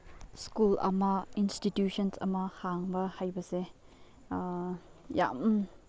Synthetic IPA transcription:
skulʔa̰mainstitjuʃɔnsa̰mahaŋbahajbasɛ | ja̰m

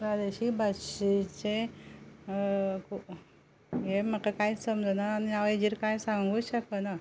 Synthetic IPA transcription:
ɾad̪eɕiːbʱaɕit͡ɕe | kʰu | jeməkakajsəmd͡zonaːniaʋed͡ʑiɾkajsãŋɡuːɕəkəna

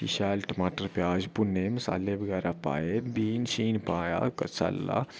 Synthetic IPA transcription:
ḭʃaːlʈəmaːʈəɾpʲjaːd͡ʒpunːemsa̰lːebəɡɛːɾapa̰ːjebiːnʃiːnpaːja̰kɐt͡sa̰lːa̰

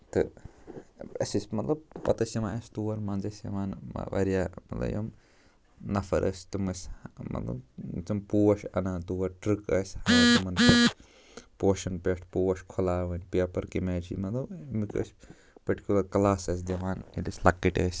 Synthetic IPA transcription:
t̪ɨ̰ | ɐ̰sisʲmɐt̪lɐb̚pɐt̪ɐsʲjɐmaːɐst̪uːʋɐɾmɐnzɐsjɐ̰maːn̰ʋɐ̰ɾijaːmɐ̰t̪lɐ̰bjo̰m | nɐfɐ̰ɾʔɐ̰sʲt̪umɐsʲmɐ̰t̪lɐ̰bt͡ʃɐmpuːwɐʃɐnaːt̪uːʋɐɾʈɾɨkɐːsʲhɐt̪ɐmɐnpes | poːʃɐnpeːʂʈʰpuːɐʃkʰolaːʋɐnʲpeːpɐɾkimeːt͡ʃʰḭmɐt̪lɐbmikə̰sʲ | pɐɾʈi̥kʲulɐɾklaːsɐs̬ʲd̪ɐʋaːnḭlisʲlɐkːiʈɐːsʲ

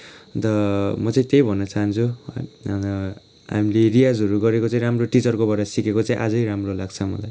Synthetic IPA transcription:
d̪ʌmʌt͡saĩt̪ejbʱʌnːʌt͡saɦʌnt͡sʰu | ʌ | ɦa̰milerijad͡zɦʌɾuɡʌɾekot͡saĩɾamroʈit͡sʌrkobʌʈʌsikekot͡saĩʔad͡zʌjɾamrolaɡ̚t͡sʰʌmʌ̰laj

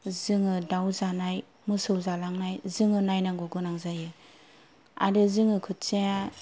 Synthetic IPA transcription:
zɯŋɯdawzanaj | mɯsɯwzalaŋnajzɯŋɯnajnaŋɡoɡɯnaŋzajɯ | a̰dɯzɯŋɯkʰɯtt͡ʃea

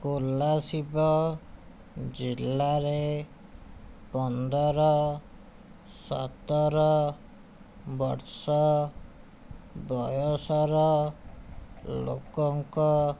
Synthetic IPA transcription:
kolasibɔ | d͡ʒilːaɾe | pɔnd̪ɔɾɔ | sɔ̰t̪ɔɾɔ | bɔɾsɔ | bɔjɔsɔɾɔ | lo̰kɔŋkɔ

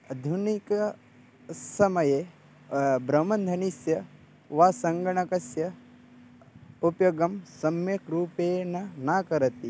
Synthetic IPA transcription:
ɐd̪ʱunikɐ | sɐmɐje | bɾɐmɐnd̪ʱɐnisjɐ | ʋaːsɐŋɡɐɳɐkɐsjɐ | upjoɡɐmsɐmjɐkɾuːpeːnɐnaːkɐɾɐt̪i

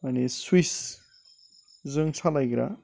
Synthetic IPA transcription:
aniswis | zɯŋsʰalajɡɾa̰

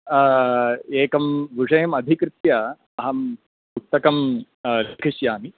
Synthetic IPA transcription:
eːkɐmʋuʐɐjɐmɐd̪ʱikɾɪt̪jɐ | ɐɦɐm | uk̚t̪ːɐkɐm | lkʰiʃjaːmi

